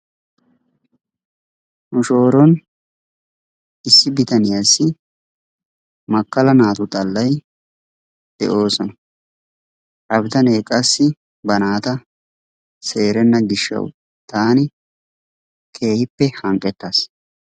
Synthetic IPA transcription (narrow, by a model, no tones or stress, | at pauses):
nʊʃo̞ːɾɔn | ɪsːɪbɪt̪ɐnɪjasːɪ | mɐkːɐlɐnaːt̪ʊt̪ʼɐlːɐj | d̪̥ɛ̰ʔo̞ːsɔnɐ | ʔɐbɪt̪ɐneːkʼɐsːɪ | bɐnaːt̪ɐ | se̞ːɾɛnːɐɡɪʃːɐ̰w̰ | t̪aːnɪ | kʰe̞ːhɪpːɛhɐŋkʼːɛt̪ːaːs